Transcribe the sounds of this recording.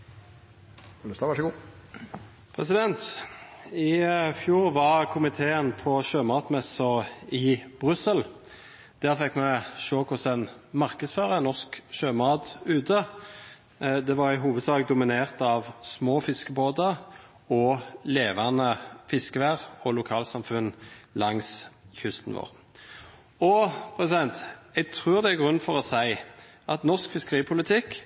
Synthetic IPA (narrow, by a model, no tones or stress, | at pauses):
ləst̪ɑʋæʂəɡuː | pʰʁɛsɪd̪ɛnt̪ | ɪfjuːʁʋɑʁkʰʊmɪt̪ʰeːənpʰɔʃøːmɑːt̪mɛsɔʁɪb̥ʁʉsəl | d̪̥æːʁfɛkːmɛʃoːkʰʊsɛnmɑʁkəd̪sføːʁənɔskʃøːmɑːd̪ʉːt̪ʰə | d̪ɛʋɑʁɪɦuːʋəd̪sɑːɡd̪ʊmɪneːʁt̪ɑʋsmoːfɪskəboːd̪ə | ɔleːʋɑnəfɪskəʋæːʁɔlʊkʰɑːlsɑmfʉnlɑŋsçʉst̪n̩ʋo̰ːʁ | ɔpʰʁɛsɪd̪ɛnt̪ɛɡt̪ʰʁʉːʁd̪ɛæɡʁʉnːfɔʁɔsæɪ | ʔɑt̪nɔʁskfɪskəʁiːpʰʊlɪt̪ʰɪkː